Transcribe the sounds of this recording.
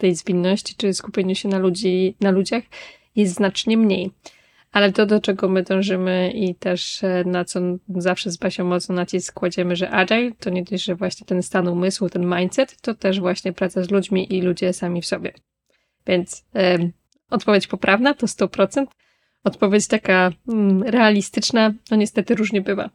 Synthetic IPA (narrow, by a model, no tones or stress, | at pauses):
t̪ɛjzvʲinːɔɕt͡ɕi̥t͡ʂɘskupʲjeɲuɕɛnaluinalud͡ʑax | jɛst̪znat͡ʂɲɛmɲej | alɛt̪ɔd̪ɔt͡ʂɛɡɔmɘd̪ɔ̃w̃ʐɘmɘit̪ɛʂnat̪sɔzafʂɛzbaɕɛmɔt̪snɔnat͡ɕiskːwad͡ʑɛmɘʐɛʔadajt̪ɔɲɛd̪ɔʐɛvwaɕɲɛt̪ɛnst̪anumɘswt̪ɛnmajnt̪sɛt̪ːɔt̪ɛʐvwaɕɲɛpɾat̪sazlud͡ʑmʲiʔilud͡ʑɛsamʲifsɔbʲjɛ | vʲjɛnt̪s | ɔt̪̚pɔvʲjet͡ɕpɔpɾavnat̪ɔst̪ɔpɾɔt̪sɛnt̪ | ɔt̪pɔvʲjet͡ɕt̪aka | ɾɛalʲist̪ɘt͡ʂnanɔɲɛst̪ɛt̪ɘɾuʐɲɛbɘva̰